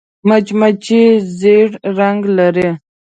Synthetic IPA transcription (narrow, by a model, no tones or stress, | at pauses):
mat͡ʃmat͡ʃizeɽɾaŋɡlaɾe